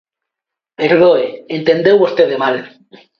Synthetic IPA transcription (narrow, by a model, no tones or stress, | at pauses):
eɾðoeent̪end̪ewβost̪eðemal